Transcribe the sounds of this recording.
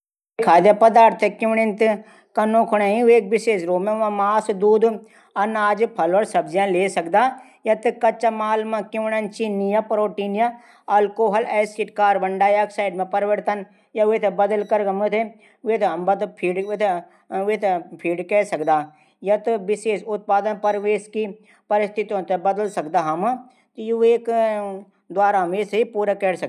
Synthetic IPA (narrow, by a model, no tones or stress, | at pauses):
kʰaːd̪japɐd̪aːɾt̪ʰekɪʋɳent̪ɨ | kɐnõːkʰʊɳãːĩeːk̚bɪseːʃɾoːmẽʋãmaːsd̪uːd̪ | ɐnaːd͡ʒpʰɐloːɾsɐbzjãleːsɐkd̪aː | jɐt̪ɨkɐt͡ʃamaːlmãkɪʋɳɐnt͡ʃinijapɾoːʈiːnja | ɐlkoːɦɐlɛːskiʈkaːɾbɐɳɖaːjɐksaːɪɖmẽpɐɾʋəɾt̪ɐn | jaʋet̪ʰebɐd̪əlkɐɾkɐmet̪ʰe | ʋet̪ʰmbɐt̪pʰiːɖt̪ʰ | ʋet̪pʰiːɖkɛːsɐkd̪aː | jɐt̪ɨbɪseːʃʊt̪̚paːd̪ənpɐɾʋeːski | pɐɾɪst̪ʰit̪ijõt̪ebɐd̪əlsɐkd̪aɦɐm | t̪jueːk | d̪ʋaːɾaɦmeːseipuːɾakɛːɽsɐ